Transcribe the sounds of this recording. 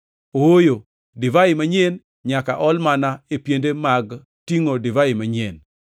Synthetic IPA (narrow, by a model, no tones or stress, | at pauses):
ojo | dɪvaɪmaɲen | ɲakaʔɔlmanaepjendemaɡ | tiŋodɪvaɪmaɲen